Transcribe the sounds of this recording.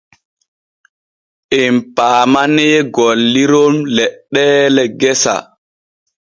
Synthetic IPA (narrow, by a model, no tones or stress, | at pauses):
ʔɛmpaːmanɛːɡolːiɾomlɛɗːɛːlɛɡɛsa̰